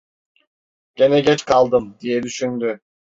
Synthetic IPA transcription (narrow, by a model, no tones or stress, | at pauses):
ɟ̥e̞nɛɟɛt͡ʃkʰalˠd̪ɯmd̪ijɛd̪yʃynd̪y